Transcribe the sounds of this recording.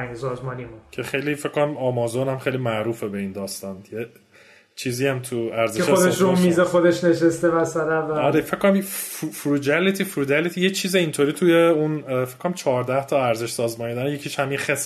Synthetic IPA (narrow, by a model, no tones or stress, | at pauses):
sɒːzmɒːnimucʰeχxejlifekʰːonæmɒːmɒːzonæmχejlimæʔɾuːfebe̞iːnd̪ɒːst̪ɒnje | t͡ʃʰiːziæmt̪ʰuæɾzeeʃod̪eʃɾomizexod̪eʃneʃest̪evæsæɾævæɒɾefe̞ckʰkonæmfufɾuːd͡ʒælit̪ʰifɾuːd͡ʒælit̪ʰijet͡ʃʰiːzeint̪ʰoɾiːt̪ʰujeunfekːonæmt͡ʃʰɒːɾd̪æht̪ʰɒæɾzeʃsɒːzmɒːnid̪æɾjecʰiːʃhæminxes